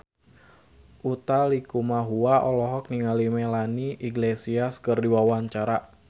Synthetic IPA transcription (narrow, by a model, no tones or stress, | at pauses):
ʔut̪alikumaɦuaʔɔlɔɦɔk̚niŋalimelaniʔiɡlesiaskɨrdiwawaɲt͡ʃaɾa